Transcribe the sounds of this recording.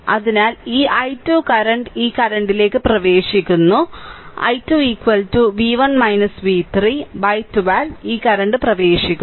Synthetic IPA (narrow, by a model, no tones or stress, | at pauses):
ɐ̰ðinaːliːʔɐjtːuːkɐɾɐɳɖiːkɐɾɐɳɖile̞ːkːɨprɐʋe̞ːʂikʲːunːuɐ̰jtːuːiːkʋɐltuʋiːʋɐnmɐjnɐsʋiːt̪riːbɐjtːuʋaːliːkɐɾɐɳɖɨprɐʋe̞ːʂikʲːu